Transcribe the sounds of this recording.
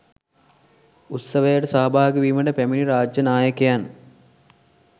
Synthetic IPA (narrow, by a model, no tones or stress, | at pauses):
ut̪səʋəjəʈəsaɦɐbʱaːɡəʋiːməʈəpæminiɾaːd͡ʒjɐnaːjəkejan